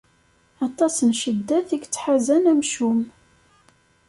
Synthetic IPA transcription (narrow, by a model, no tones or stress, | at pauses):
ɑt̪ˤɑsənʃəd̪ːæθiɡt͡sːħazænæmʃum